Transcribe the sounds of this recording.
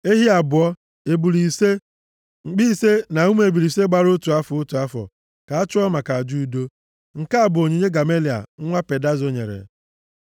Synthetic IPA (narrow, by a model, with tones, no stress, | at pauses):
e˦ɦi˦a˨bʊ˨ɔ˦ | e˨bu˨ɾi˨se˦˨ | k͡pi˦˨se˦na˨u˦m˦e˨bu˨ɾi˨se˦ɡ͡ba˦ɾʊ˦tu˨a˦fʊ˨ʊ˦tu˨a˦fɔ̰˨ | ka˨a˦t͡ʃʊ˦ɔ˦ma˨ka˨d͡ʒu˦˨˦do˦ | ŋ̩˨ka˦a˨bʊ˨o˨ɲe˨˦ɲe˦ɡa˨me˦li˨a̰˨ŋ̩˦ŋʷa˦pe˨da˦zo˦ɲḛ˨ɾḛ˨